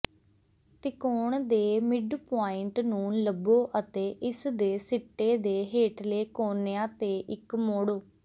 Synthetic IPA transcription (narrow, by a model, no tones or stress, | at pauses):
t̪ɪkoːɳd̪eːmɪɖpaːɪɳʈnũːləboːʔət̪eːʔɪsd̪eːsɪʈːeːd̪eːɦeːʈleːkoːneːãːt̪eːʔɪkmoːɽoː